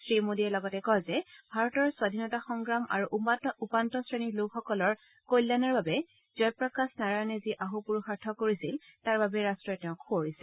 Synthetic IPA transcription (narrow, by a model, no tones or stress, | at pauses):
sɹimodiɛlɔɡɔtɛkɔzɛbʱaɹɔtɔɹswadʱinɔtaxɔŋɡɹama̰ɹuʔupantɔsɹeniɹlokxɔkɔlɔɹ | kojlːanaɹbabɛ | zɔjpɹɔkasnaɹajnɛziʔaɦupuɹuxaɹtʰɔkoɹisiltaɹbabɛɹastɹɔɛtɛʊ̃kʰːooɹisɛ